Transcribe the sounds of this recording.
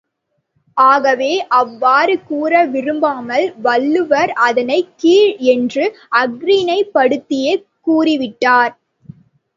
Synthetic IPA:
ʔaːɣɐʋeːʔɐʋːaːɾɯkuːɾɐʋɪɾɯmbaːmɐlʋɐɭːɯʋɐɾɐðɐnɐɪkiːɻɛndrɯ | ɐɡɾinɐɪpːɐɽɯt̪ːɪjekːuːrɪʋɪʈːaːɾ

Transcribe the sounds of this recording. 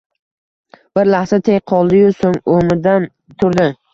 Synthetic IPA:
b̥ɪɾlahsat̪ʰejqʰɒlˠd̪ɪjʊsoŋomɪd̪an | t̪ʰʊɾd̪ɪ

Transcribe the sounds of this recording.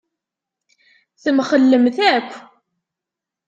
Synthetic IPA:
θəmχəlːəmθækʷː

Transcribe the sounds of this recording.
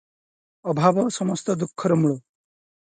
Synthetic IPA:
ɔbʱabɔsɔmɔst̪ɔd̪ukʰːɔɾɔmuɭo

